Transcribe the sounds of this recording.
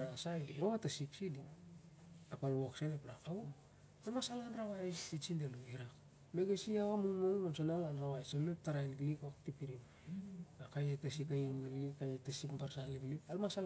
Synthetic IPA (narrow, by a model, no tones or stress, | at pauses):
nasajoatasiksidi | apalwoksenepɾakau | almasalanɾaβajsit͡ʃindeluiɾak | meɡesiaɣamuŋmolnamsonalanɾaβajseep̚taɾajnɡlikaktipiɾin | ɡakajetasikajiniɡlikajetasipmbaɾsaliblipalmasal